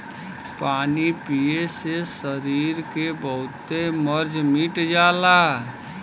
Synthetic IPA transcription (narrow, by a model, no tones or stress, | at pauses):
paːnipiesesəɾiːɾkebəɦʊt̪eməɾd͡ʒmiʈd͡ʒaːlaː